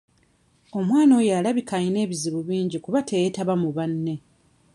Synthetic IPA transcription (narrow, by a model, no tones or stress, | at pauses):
o̞mwaːno̞jaːlaβikaɲine̞ːβiziβuβiːɲɟikuβatʰejetaβamuβanːe̞